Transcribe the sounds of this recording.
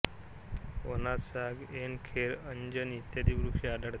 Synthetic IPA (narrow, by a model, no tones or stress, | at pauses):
onasaɡenkʰeɾəɲd͡ʑənit̪jad̪iʋɾukʂiad̪aɽt̪